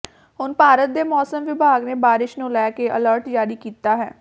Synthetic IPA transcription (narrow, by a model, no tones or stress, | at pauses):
ɦʊnpaːɾət̪̚d̪eːmɔːsəmʋɪbʱaːɡneːbaːɾɪʃnũːlɛːkeːʔələɾʈd͡ʒaːɾiːkiːt̪aːɦɛː